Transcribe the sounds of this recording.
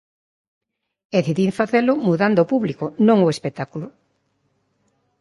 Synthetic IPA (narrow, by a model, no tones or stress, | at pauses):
eθiðiɱfaθelʊmuðand̪oːpuβlikonõŋoespek̚t̪akulʊ